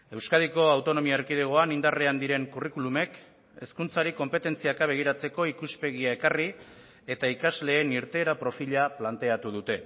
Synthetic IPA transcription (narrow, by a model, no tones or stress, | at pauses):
e̞wskaðiko̞awt̪o̞no̞miaɾkið̞eɣ̞o̞anind̪areand̪iɾe̞ŋkurikulume̞k | e̞skunt͡saɾiko̞mpe̞t̪e̞nt͡siakaβe̞ɣ̞iɾat͡se̞ko̞ikuspe̞ɣ̞iae̞kari | e̞t̪aikazle̞ːniɾt̪e̞ːɾapɾo̞fiʎaplant̪e̞at̪uðut̪e̞